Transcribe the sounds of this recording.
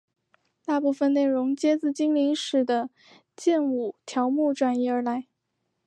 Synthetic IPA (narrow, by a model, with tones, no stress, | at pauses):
t̪a˥˧pu˥˩fə˨˧nne˥˩ɪɻʊ˧˥ŋt͡ɕjɛ˥t͡sɹ̩˥˩t͡ɕi˥ŋli˧˥ŋʂɻ̩˨˩d̪ə˦ | t͡ɕjɛ˥˩nu˨˩t̪ʰjɑ˧˥ʊmu˥˩ʈ͡ʂwa˨˩ni˧˥˩ə˞˧˥la˧˥ɪ